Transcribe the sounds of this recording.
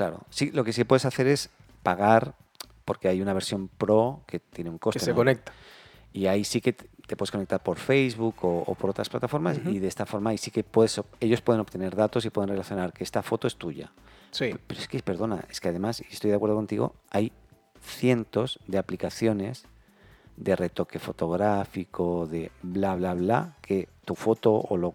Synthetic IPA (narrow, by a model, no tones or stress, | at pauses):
klaɾo̰silo̞ke̞sikpwe̞ðe̞saθe̞ɾe̞s | paɣ̞aɾ | po̞ɾke̞ajunaβ̞e̞ɾsjo̞mpɾo̞ke̞t̪je̞neuŋko̞steeonek̚t̪ | iaisike̞tt̪epwe̞eskonek̚t̪aɾpo̞ɾfejzβuko̰ːpo̞ɾo̞t̪ɾasplat̪afo̞ɾmasiðeest̪afo̞ɾmaːisike̞pweðesoeʝo̞spwe̞ð̞e̞no̞pt̪e̞ne̞ɾðat̪o̞s̬ipwe̞ð̞enre̞laθjo̞naɾkeest̪afo̞t̪oe̞st̪uʝa̰ | sipeɾoeskepe̞ɾðo̞na̰e̞ske̞aðe̞masiest̪o̞jðakweɾðoko̞nt̪iɣo̞̰aj | θje̞nt̪o̞zðe̞aplikaθjo̞ne̞z | d̪e̞re̞t̪o̞ke̞fo̞t̪o̞ɣ̞ɾafikʰo̞ðe̞blaβlaβlakʰe̞t̪ufo̞t̪o̞o̰lo